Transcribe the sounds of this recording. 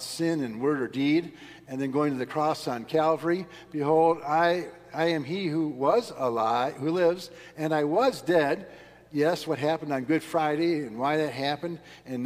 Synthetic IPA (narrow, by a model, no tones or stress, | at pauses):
sɪ̃nɨ̃nwɜ˞ɾə˞diɾ | ɨ̃nðɨ̃nɡoʊɪ̃ŋtʰɨðɨkʰɹ̥ɔsnkʰælˠvə˞i | b̥ɨɦoʊlˠdaɪ | aɪɨ̃mihuwʌzəlaɪhulɪvz | ɨ̃naɪwʌzdɛd̚ | jɛswʌt̚ɦæpn̩d̃n̩ɡʊd̥fɹaɪɾeɪɨ̃nwaɪðɨt̚ɦæpɨ̃nd | ɨ̃n